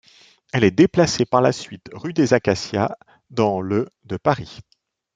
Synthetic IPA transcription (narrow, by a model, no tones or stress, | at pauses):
ɛlɛd̪eplasepaʁlasɥit̪ʁyd̪ezakasja | d̪ɑ̃lød̪əpaʁi